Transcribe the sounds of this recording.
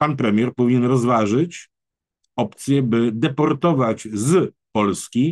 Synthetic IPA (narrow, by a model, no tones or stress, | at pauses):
panpɾɛmʲjɛɾpɔvʲiɲɛnɾɔzvaʐɘt͡ɕ | ɔpt̪sʲjɛbɘd̪ɛpɔɾt̪ɔvad͡ʑz | pɔlskʲi